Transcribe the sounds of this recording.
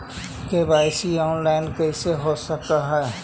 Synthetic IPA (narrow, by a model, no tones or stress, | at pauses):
kebaːɪsiɔːnlaːɪnkəɪseɦosəkaɦɛː